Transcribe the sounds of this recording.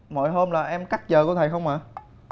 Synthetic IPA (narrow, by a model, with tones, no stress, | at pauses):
mɔ̰˧˨jɦəː˧mlaː˨˩ʔɛ˧mka˦˥k̚zəː˨˩ku˧˩˦t̪ʰə˨˩xə˧wŋ͡mʔaː˨˩